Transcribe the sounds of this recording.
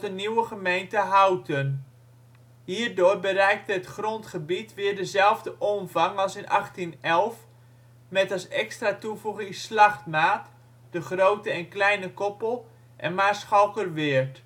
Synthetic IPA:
dəniwəχəmejntəɦawtʰən | ɦiːrdʊːrbəɾɛjk̚təətχrɔntχəbitʋɪːrdəzɛlˠvdəʔɔmvɑŋɑlˠsɪnʔɑχtinɛlˠf | mɛtɑsɛkstratuvuχɪŋslɑχtmaːt | d̥əχrowtəɛnklɛjnəkɔpəlˠ | ʔɛ̰nmaːrsχawˠkərʋɪərt

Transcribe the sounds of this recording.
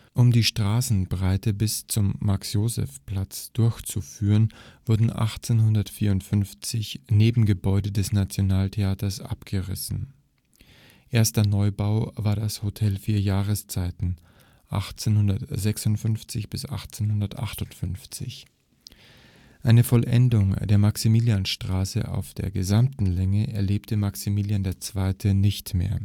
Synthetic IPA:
ʔʊmdiːʃtʁ̥aːsn̩bʁaɪtəbɪst͡sʊmːaksjoːzɛ̰fpl̥at͡sd̥ʊɐçt͡sufyːʁənv̥ʊɐdn̩ʔa̰χt͡senɦʊndɐtfiːɐʊntfʏnft͡sɪçneːbm̩ɡəbɔʏdədɛsnat͡sjonaːltʰeaːtɐsʔa̰pɡ̥əʁɪ̰sn̩ | ʔeːɐstɐnɔʏbaʊvaːɐdashotʰɛlfiːɐjaːʁəst͡saɪtn̩ | ʔa̰χt͡seːnhʊndɐtz̥ɛksʊntfʏnft͡sɪçb̥ɪsʔa̰χt͡senhʊndɐtʔa̰χtʊntfʏnft͡sɪ̰ç | ʔaɪnəfɔlʔɛ̰ndʊŋd̥eːɐmaksimiːljanʃtʁ̥aːsə̰ʔa̰ʊfd̥eːɐɡəzamtn̩lɛŋəʔɛɐleːptʰəmaksimiːljandeːɐt͡sv̥aɪtʰənɪçtmḛːɐ

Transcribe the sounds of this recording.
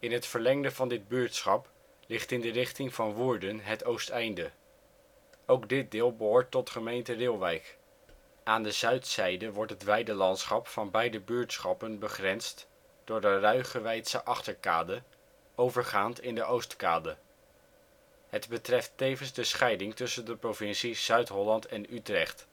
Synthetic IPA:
ɪnɦətfəɹlɛŋdəvɑndɪd̚byːɹtsχɑp | lɪχtɪndərɪχtɪŋv̥ɑnʋuːɹdənɦətowstɛjndə | owɡdɪt̚dɪːlˠbəɦʊːɹtːɔtχəmejntərɪlˠʋɛjk | aːndəzœɥtsɛjdəʋɔɹtɦətʋɛjdəlɑntsχɑpfɑnbɛjdəbyːɹtsχɑpənbəχrɛnst | d̥ʊːɹdərœɥχəʋɛjtsəʔɑχtəɹka̰ːdə | owvəɹχaːntɪndəʔowstkaːdə | ɦədbətrɛftejvənzdəsχɛjdɪŋtɵsəndəprovɪnsiz̥œɥtɦɔlɑntɛnytrɛχt

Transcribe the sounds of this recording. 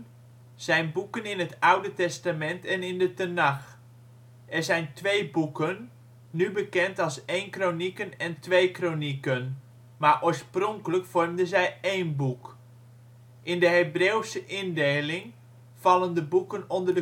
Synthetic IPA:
z̥ɛjnbukənɪnətawdətɛstamɛntʰɛnɪndətənax | ʔɛrzɛjntʋejbukənː | ybəkɛntɑlˠsejnkronikənɛntʋejkronikən | maːɹʔoːɹsprɔŋkələkfɔrmdəzɛjejnbuk | ʔɪndəɦebreːwsəʔɪndejlɪŋ | fɑlˠəndəbukənɔndərdə

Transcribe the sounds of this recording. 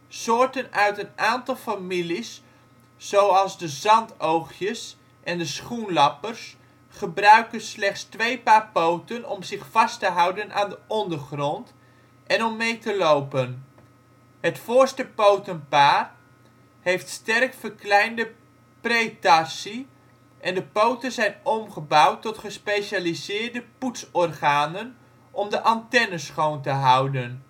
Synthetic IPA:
sʊːɹtənœɥtənaːntɑlˠfamilisː | owɑlˠzdəzɑntowχjəs | ʔɛndəsχunlɑpərs | χəbrœɥkənslɛχtstʋejpaːrpowtənɔ̰mzɪχfɑstəɦɑwdənʔa̰ːndəʔɔndərχrɔnt | ʔɛnɔmːejtəlowpən | ɦətfʊːɹstəpowtənpaːr | ɦejftstɛrkfərklɛjndə | prejtasi | ʔɛndəpowtənzɛjnɔmχəbawtːɔtχəspejʃaːlizɪːrdəputsɔrχaːnən | ʔɔmdəʔɑntɛnəsχowntəɦʌwdən

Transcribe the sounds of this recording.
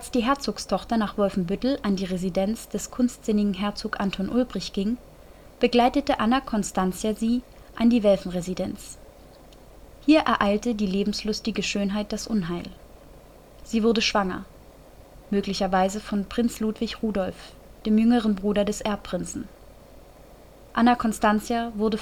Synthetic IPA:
ʔalsd̥iːɦɛɐt͡soːkstʰɔχtɐnaːχv̥ɔlfm̩bʏtl̩ʔandiːʁezidɛnt͡sd̥ɛskʰʊnstz̥ɪnɪɡŋ̩ɦɛɐt͡soːkʔantʰɔnʔʊlbʁɪçɡ̥ɪŋ | b̥əɡlaɪtətəʔanakʰɔnstant͡sjaziː | ʔandiːvɛlfn̩ʁezidɛnt͡s | hiːɐʔɛɐʔaɪltədiːleːbm̩slʊstɪɡəʃøːnɦaɪt̚d̥asʔʊnɦaɪl | z̥iːvʊɐdəʃv̥aŋɐ̰ | møːklɪçɐvaɪzəfɔnpʁ̥ɪnt͡sluːtv̥ɪçʁuːdɔlf | d̥eːmjʏŋəʁ̞ənbʁuːdɐdɛsʔɛɐpʁ̥ɪnt͡sn̩ | ʔanakʰɔnstant͡sjavʊɐdə

